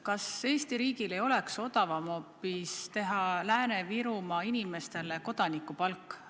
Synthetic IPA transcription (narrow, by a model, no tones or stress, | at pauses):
kɑse̞ːst̪iɾiːɡile̞jo̞le̞kso̞t̪ɑvɑmo̞pːist̪e̞ɦɑlæːne̞viɾumɑinime̞st̪e̞le̞ko̞d̪̥ɑnikːˑupɑlkˑː